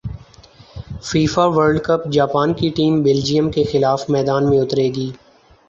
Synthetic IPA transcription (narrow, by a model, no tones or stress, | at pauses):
fiːfaʋəɾɖkəpd͡ʒaːpaːnkiʈiːmbɪld͡ʒijəmkexɪlaːfmɛːd̪aːnmẽʊt̪ɾeːɡiː